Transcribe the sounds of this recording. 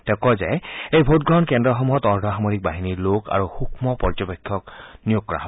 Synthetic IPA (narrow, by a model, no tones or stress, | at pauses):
tɛkɔzɛjejbʱot̚ɡɹɔnkendɹɔxɔmuɦɔtɔɹdʱɔɦamoɹik̚baɦiniloka̰ɹuxukʰmɔpɔɹd͡ʒɔpekʰːɔknijuɡ̚kːɔɹaɦɔɔ